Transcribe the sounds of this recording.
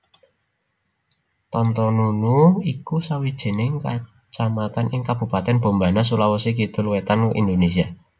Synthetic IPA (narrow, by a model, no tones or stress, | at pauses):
t̪ɔnt̪ɔnunuikusawid̥ʒ̥ə̤nɪŋka | t͡ʃamat̪anɪŋkab̥ṳpat̪ɛnb̥o̤mbanas̬ulawɔsik̬it̪ʊlwet̪anuʔḭnd̪onesia